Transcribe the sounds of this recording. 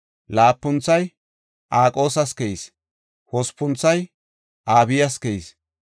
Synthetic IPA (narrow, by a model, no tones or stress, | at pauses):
laːpːʊnt͡sːɐj | ʔaːkʼo̞ːsɐskɛʔis | hɔspːʊnt͡sːɐj | ʔaːbɪjɐskɛʔis